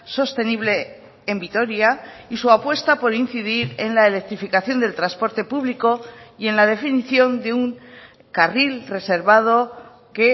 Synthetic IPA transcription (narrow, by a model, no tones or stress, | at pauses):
so̞st̪e̞niβ̞le̞ː | mbit̪o̞ɾjaisuapwe̞st̪apo̞ɾin̟θiðiɾe̞nlaele̞k̚t̪ɾifikaθjo̞nd̪e̞lt̪ɾaspo̞ɾt̪e̞puβliko̞je̞nlað̞e̞finiθjo̞nd̪e̞uŋ | karilre̞se̞ɾβað̞o̞ | ke̞